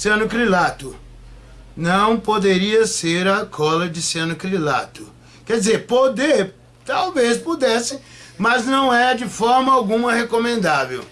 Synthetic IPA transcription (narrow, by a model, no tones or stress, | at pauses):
siɐ̃nʊkɾilat̪ʊ | nɐ̃w̃pod̪eɾiɐseɾɐkʰɔlɐd͡ʒɪsiɐ̃nʊkɾila̰t̪ʊ | kɛd͡ʒɪzeɾpod̪eɾ | t̪awvespud̪ɛsɪ | mɐznɐ̃w̃ɛɾɐd͡ʒɪfɔɾmɐawɡũmɐhekomẽnd̪avew